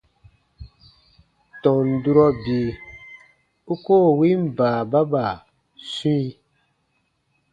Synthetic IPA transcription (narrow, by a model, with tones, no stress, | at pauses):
tɔ̃˨n̩˨du˦ɾɔ˦bi˨ | u˦koː˦˨wi˦m˦baː˨ba˦ba˨ | sĩ˦i˧